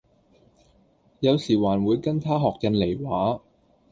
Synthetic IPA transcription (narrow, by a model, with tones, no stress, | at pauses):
jɐ˨˧wsiː˨˩waː˨˩nwuː˨˧jkɐ˥nt̪ʰaː˥ɦɔː˨k̚jɐ˧nle˨˩jwaː˨˥